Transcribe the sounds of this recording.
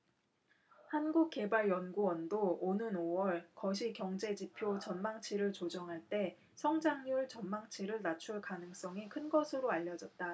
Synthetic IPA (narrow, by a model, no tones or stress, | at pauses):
hanɡuk̚k͈ːe̞baɭjʌnɡuwʌndoonɯnowʌɭkʌɕʰikjʌŋd͡ʑe̞d͡ʑipʰjot͡ɕʌnmaŋt͡ɕʰiɾɯɭt͡ɕod͡ʑʌŋɦaɭt͈e̞ | sʰʌŋd͡ʑaŋɲuɭt͡ɕʌnmaŋt͡ɕʰiɾɯɭnat͡ɕʰuɭkanɯŋs͈ʌŋikʰɯnɡʌsʰɯɾoaʎːʌd͡ʑʌt̚t͈a